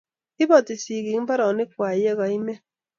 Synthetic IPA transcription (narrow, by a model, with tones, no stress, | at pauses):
i˦bɔ˨ti˨si˨ɡi˨˦ŋ̩˦ba˦ɾɔ˨nɪ˦kʷwa˨je˦ɣɔ˨i˦me˦